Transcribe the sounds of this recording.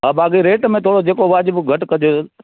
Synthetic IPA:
ɦaːbʱaːkiɾeːʈmẽt̪ʰoːɽod͡ʒeːkoʋaːd͡ʑbɡʱɐʈkəd͡ʒo

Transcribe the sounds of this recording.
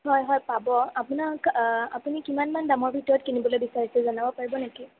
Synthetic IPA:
ɦɔjɦɔjpabɔapunaka̰punikimanmandaŋɔɹbʱitɔɹɔtkinibɔlojbisaɹisɛzɔnabɔpaɹibɔneki

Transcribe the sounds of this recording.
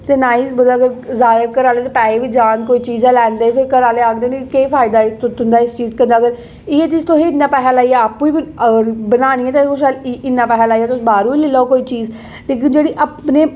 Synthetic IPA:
t̪eːnaːiːzbəd̪aːɡəɾzaːəɾkəɾaːleːt̪eːpɛːeːʋiːd͡ʒaːnkoːiːt͡ʃiːzɛːlɛːnd̪eːpʰɪɾkəɾaːleːaːk̚d̪eːnikeːpʰaːɪd̪aːɪst̪ʊt̪ʊnd̪aːɪst͡ʃiːzkə̃nd̪aːɡəɾ | ɪeːt͡ʃiːzt̪oɦẽːɪnːãːpɛːɦaːlaːiːɛːaːpːũːibəəɾbənaːnĩːɛ̃ːt̪akʊʃalɪnːãːpɛːɦaːlaːiːɛːt̪ʊsːbaːɾũːʋiːlɪlaːokoːiːt͡ʃiːz | leːk̬ɪnd͡ʒeːɽiːʔapneː

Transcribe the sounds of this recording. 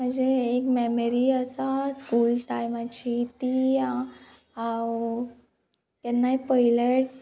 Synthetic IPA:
məd͡zeekmɛməɾiəsaskulʈajmat͡ɕit̪i | kɛnːaipəɦileʈ

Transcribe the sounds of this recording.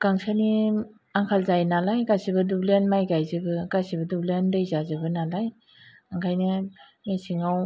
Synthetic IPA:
kaŋsani | aŋkʰalzajnalajɡasibɯdublenmajɡajzɯbɯɡasibɐdublendejzazɯbɯnalaj | aŋkʰajnɯ | mesiŋaw

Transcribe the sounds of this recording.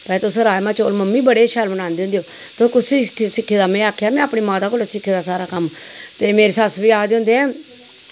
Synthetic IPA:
pɛ̃t̪ʊsɾaːjmãːt͡ʃoːlməmːiːbəɽeːʃʰɛːlbənaːnd̪eːõʊnd̪eːoː | t̪okʊiksɪkʰːeːd̪aːmɛ̃ːaːkʰːjaːmɛ̃ːaːpɳiːmaːt̪aːkoːlsɪkʰːeːd̪aːsaːɾaːkəm | t̪eːmeːɾeːsəsʋiːaːd̪eʊ̃nd̪eːɛ̃ː

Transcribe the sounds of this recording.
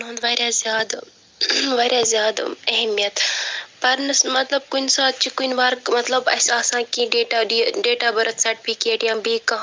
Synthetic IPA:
nõːnd̪ʋaːɾʲjazjaːd̪ | ʋaːɾjaːzjaːd̪ɐɦɛmijɐt̪pɐɾnɐsmɐt̪lɐb̚kunsaːt̪̚t͡ʃikunʋaːɾmɐt̪lɐbɐ̰saːsãːkiɖeːʈaːɖiɖeːʈaːbɐɾɐt̪sɐɾʈifʰikeːʈjãːbʱiːkɐ

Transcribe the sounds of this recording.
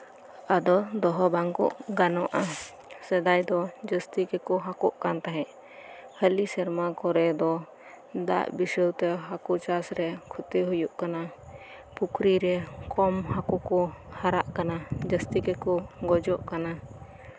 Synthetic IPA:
ad̪ɔd̪ɔɦɔbaŋkɔ̰ʔɡanɔʔa | sɛd̪ajd̪ɔd͡ʒəst̪ikɛkɔɦakɔʔkant̪aɦɛ̃ʔ | həlisɛɾmakɔɾɛd̪ɔ | d̪a̰ʔbisəwt̪ɛɦakut͡ʃasɾɛkʰut̪eɦujuʔkana | pukʰɾiɾɛkɔmhakukɔhaɾaʔkanad͡ʒəst̪ikɛkɔɡɔd͡ʒɔʔkana

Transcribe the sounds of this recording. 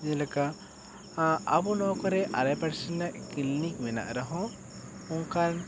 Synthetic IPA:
d͡ʒɛlaka | abunɔkɔɾɛʔaɾajpɛɾsənɛʔkilnik̚mɛna̰ʔɾaɦɔ̃ | uŋkan

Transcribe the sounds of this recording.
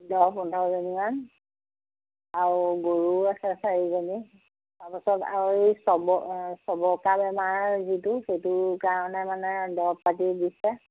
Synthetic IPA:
dɔpɔndʱɔzɔnian | aɹuɡoɹuasɛsaɹizani | taɹpasɔta̰ɹisɔbɔsɔbɔkabɛmaɹzituxejtʊkaɹɔnɛmanɛdɔpːatidisɛ

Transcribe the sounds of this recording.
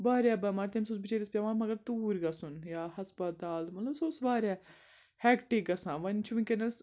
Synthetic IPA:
baːɾʲabɐmɐɾt̪emsosbit͡ʃeːɾispʲaʋaːnmɐɡɐɾt̪uːɾɡɐsunjaːhɐspɐt̪aːlmɐt̪lɐbsoːsʋaːɾʲa | hɛkʈiɡɐsãːʋɐnt͡ʃʰuʋikenɐs

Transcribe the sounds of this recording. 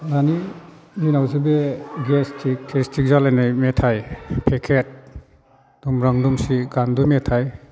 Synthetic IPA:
nani | minawzibeɡestʰik̚tʰestʰik̚zalajnajmetʰajpʰekʰet̚ | dumɾaŋdumsiɡandumetʰaj

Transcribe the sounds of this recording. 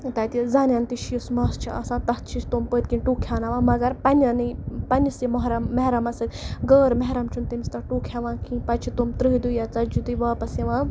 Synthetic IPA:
t̪ɐːt̪izaːnjant̪iʃijsmɐːst͡ʃʰiɐ̰sãːt̪ɐt̪t͡ʃʰist̪ompəːt̪̚kĩnʈuːkʰʲaːnaːʋãːmɐɡɐɾpɐnʲɐnɨpɐnʲisimɐɦɾɐmːɐɦɾɐmɐsɐt̪ʲɡəːɾmɐɦɾɐmt͡ʃʰunt̪imist̪ɐʈuːkʰhʲaʋãːkĩpɐt͡ʃʰit̪omt̪ɾɨɦd̪ujat͡sɐd͡ʒud̪uʋaːpɐsiʋãː

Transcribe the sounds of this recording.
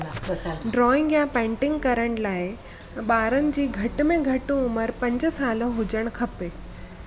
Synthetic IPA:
ɖɾɔːɪ̃ŋɡjãpɛ̃ːɳʈɪ̃ŋɡkɐɾəɽ̃laːɪ | ɓaːɾənɪ̆d͡ʑiːɡʱɐʈ̆mẽɡʱɐʈũʊməɾpɐ̃ɲd͡ʑsaːlõɦʊd͡ʑəɽ̃kʰɐpe

